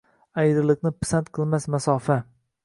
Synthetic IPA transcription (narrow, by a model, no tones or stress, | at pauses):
ajd̪ɪɾlˠɪknɪpɪ̥sant̪qʰɨlˠmasmasɒfa